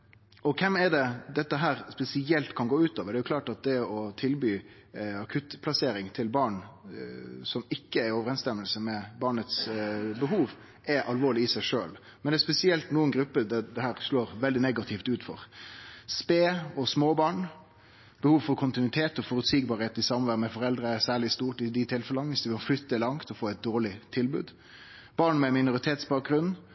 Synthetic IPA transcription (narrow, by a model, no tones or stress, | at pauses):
ɔkʰɛmɛɖ̪ɛd̪ɛt̪ːəɦæːɾspɛsɪɛlt̪kʰɑnɡoːʉːt̪ɑːʋəd̪ɛjʊkʰlɑːʈɑt̪̚d̪ɛɔt̪ʰɪlbyː | ɑkʰʉt̪pʰlɑseːɾɪŋt̪ʰɪlbɑːɳ | sɔmɪkːəæɾɔʋəɾɛnst̪ɛmːəlsəmɛbɑːɳət̪sbəɦuːʋ | ɛɾʔɑlʋoːɭɪɪsæɪʂøːl | mɛnd̪ɛspɛsɪɛlt̪nuːənɡɾʉpːəd̪ɛd̪ɛhæːɾʂloːɾʋɛld̪ɪnɛɡɑt̪ʰɪft̪ʉːt̪fɔ̰ɾspeːɔsmoːbɑːɳ | b̥əhuːʋfɔɾkʰʊnt̪ɪnʉɪt̪ʰeːt̪ɔfɔɾʉt̪siːɡ̚bɑɾheːt̪ɪsɑməʋæːɾmɛfɔɾɛld̪ɾəæsæːɭɪst̪uːʈɪd̪ɪt̪ʰɪlfɛlənʋɪsd̪ɛbflʏt̪ːəlɑŋt̪ɔfoːɛt̪̚d̪oːɭɪt̪ʰɪlbʉ̰ːd̪ | b̥ɑːɳmɛmɪnʊɾɪt̪ʰeːt̪sbɑːk̚ɡɾʉn